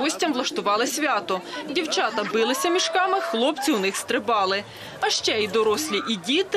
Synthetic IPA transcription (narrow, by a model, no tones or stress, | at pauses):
ɔsʲtʲɐmʋlˠɐʃt̪ʊʋɑlˠɪsʲʋʲɑt̪ɔdʲiwt͡ʃɑt̪ɐbɪlˠɪsʲɐmʲiʃkɑmɪxlˠɔp̚t͡sʲiwnɪxst̪ɾɪbɑlˠɪ | ɐʃt͡ʃɛid̪ɔɾɔsʲlʲiʔidʲit̪